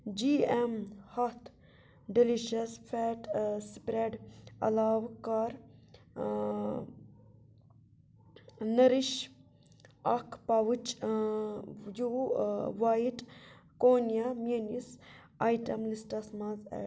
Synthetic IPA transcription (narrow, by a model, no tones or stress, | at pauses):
d͡ʒiːemhɐt̪ʰ | ɖiliʃɐsfʰɛːʈsipɾeːʈɐ̰laːʋkaɾ | nɐɾiʃ | ɐkʰpaʋut͡ʃ | juʋaiʈkoːnjaminis | aːjʈɐmlisʈɐsmãːzḛ